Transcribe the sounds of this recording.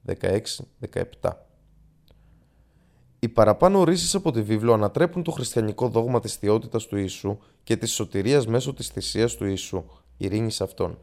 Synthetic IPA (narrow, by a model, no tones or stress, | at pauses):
ðe̞̰kɐ̰e̞ksiðe̞kɐ̰e̞pt̪ɐ̰ | ipɐɾɐpɐno̞ɾisisɐpo̞t̪ivivlo̞ɐnɐt̪ɾe̞punt̪o̞xɾist̪çɐniko̞ðo̞ɣmɐt̪isθio̞t̪it̪ɐst̪uisu | ce̞t̪isːo̞t̪iɾiɐzme̞so̞t̪i̥sθisiɐst̪uisu | ḭɾiɲisɐft̪o̞̰n